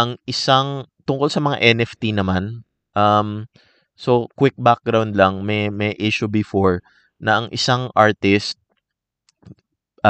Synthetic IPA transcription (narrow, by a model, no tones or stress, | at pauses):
ʔɐŋʔɪsaŋt̪ʊŋkolsɐmɐŋa̰ʔɛnɛft̪inɐman | ʔɐm | so̞kwɪk̚bak̚ɡɾawnd̪lɐŋmɐjmɐjʔɪʃʊbɪfoɹ | nɐʔɐŋʔɪsaŋʔaɹt̪ɪst̪̚